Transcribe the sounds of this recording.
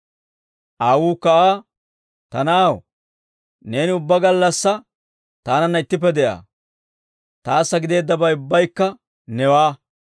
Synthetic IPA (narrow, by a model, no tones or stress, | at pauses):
ʔaːwuːkːɐʔaː | t̪ɐnaːw | ne̞ːnɪʊbːɐɡɐlːɐsːɐ | t̪aːnɐnːɐɪt̪ːɪp̬ːɛd̪ɛʔa̰ː | t̪aːsːɐɡɪd̪e̞ːd̪ːɐbɐjʊbːɐjkːɐ | nɛwaː